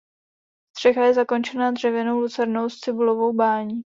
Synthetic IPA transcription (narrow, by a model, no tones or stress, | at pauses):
st̪r̝̥ɛɣajɛzako̞nt͡ʃɛnad̪r̝̥ɛvjɛnowlut͡sɛɾnowst͡sɪbulovo̞wbaːɲiː